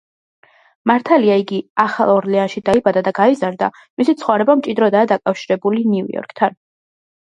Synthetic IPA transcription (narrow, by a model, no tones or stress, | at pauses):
maɾt̪ʰaliaiɡiaχa̰lˠɔɾlianʃid̪aibad̪ad̪aɡaizaɾd̪a̰ | misit̪sʰχɔvɾɛbamt͡ʃʼid̪ɾɔd̪aːd̪akʼafʃiɾɛbulinḭɔ̰ɾkʰʼt̪ʰan